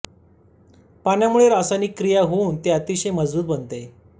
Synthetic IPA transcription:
panjamuɭeɾasaniːkːɾijaɦount̪eat̪iɕeməd͡zbuːt̪̚bənt̪e

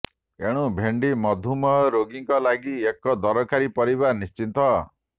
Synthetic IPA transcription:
eɽ̃ubʱeɳɖimɔd̪ʱumɔɦɔɾoɡiŋkɔlaɡiekɔd̪ɔɾɔkaɾipɔɾiβanist͡ʃint̪ɔ

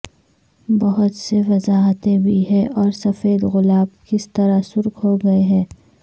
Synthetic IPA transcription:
bɐɦʊt̪seʋɐzaːɦət̪ẽbʱiɦɛ̃ʔɔːɾsɐfeːd̪ɣʊlaːbkɪst̪ɐɾasʊɾkɦoɡɐeɦɛ̃ː

